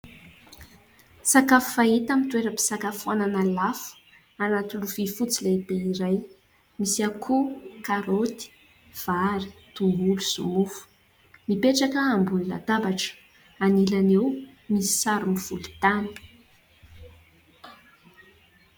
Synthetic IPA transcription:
sakafu̥fait̪amint̪uweɾəpi̥sakafananalafu̥ | anat̪uluvifut͡silebeiɾaj | misiakʰukaɾot̪i̥ | v̥aɾi̥t̪uŋɡuluzumufu̥ | mipeʈ͡ʂakəːmbunila̰d̪abaʈ͡ʂə̥ | anilanew | misi̥saɾumiv̥ult̪ani̥

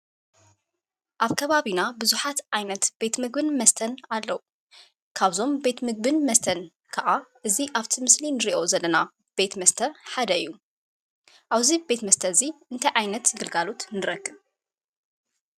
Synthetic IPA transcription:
ʔaβkʰɐβaβinabɨzuħat̪ʔajnɐt̪b̥e̞t̪mɨɡbɨnmɐst̪ʰɐnalːɐwu | kʰaβzo̞mbe̞t̪mɨɡ̚bɨnmɐst̪ʰɐn | kʰɐʔaʔɨziʔaβt̪ʰimɨslinɨɾiʔo̞zɐlːɐna | b̥e̞t̪mɐst̪ʰɐħad̪ɐɨjːu | ʔaβzibe̞t̪mɐst̪ʰɐziʔɨnt̪ʰɐjʕajnɐt̪jɪɡɨlɡalot̪nɨɾɐɡːɨβ

